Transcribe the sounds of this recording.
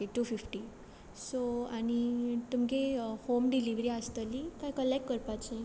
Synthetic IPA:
eʈufifʈi | soañit̪umkehomɖiliʋɾiast̪əlikajkəlːekːəɾpat͡ɕẽ

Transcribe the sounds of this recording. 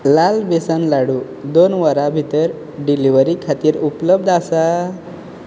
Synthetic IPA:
lalbesanlaɽuː | d̪onʋəɾabʱit̪əɾ | ɖiliʋəɾikʰat̪iːɾupləbd̪asa

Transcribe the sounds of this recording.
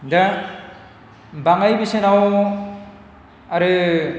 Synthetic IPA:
da | baŋajbisenaw | aɾɯ

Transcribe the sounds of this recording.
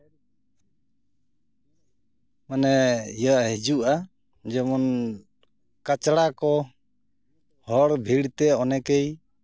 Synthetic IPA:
manɛijəʔɦɛd͡ʒuʔa | d͡ʒɔmɔn | kat͡ʃɽakɔ | hɔɽbʱiɽt̪ɛɔnɛkej

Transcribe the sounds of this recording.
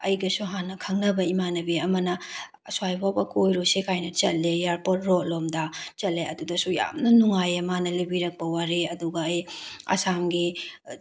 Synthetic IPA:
ɐjɡɐsuɦanːɐkʰɐŋnɐbɐimanɐbiɐmɐnɐ | swajbʰobɐkojɾosekʰajnɐt͡ʃɐt̚lejaɾpot̚ɾolomdɐt͡ʃɐtlːeɐdudɐsuja̰mnɐnuŋajɐmanɐlibiɾɐk̚pɐwaɾeɐduɡɐːjɐ̰samɡi

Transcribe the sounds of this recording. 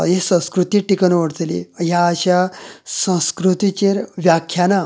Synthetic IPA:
ɦesə̃skɾut̪iːʈikənʋəɽt͡s̪lḭjaːɕasə̃skɾut̪it͡ɕeɾʋjakʰjana

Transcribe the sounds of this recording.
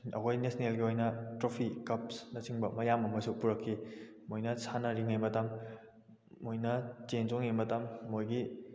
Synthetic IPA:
ɐ̰kʰojnesnelɡiojnɐtɾopʰikɐp̚snɐsiŋbɐmɐjamɐmɐsupuɾɐkʰːi | mojnɐsanɐɾiŋejmɐtɐmː | ojnɐt͡ʃenzoŋemɐtɐmːojɡi

